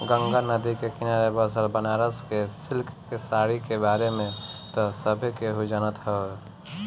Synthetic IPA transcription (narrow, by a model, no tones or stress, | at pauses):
ɡəŋɡanəd̪ikekɪnaɾebəsəɾbənaɾəskesɪlkʰːesaːɽikebaːɾemẽt̪ɔsəbʱikeɦud͡ʒaːnət̪ɦə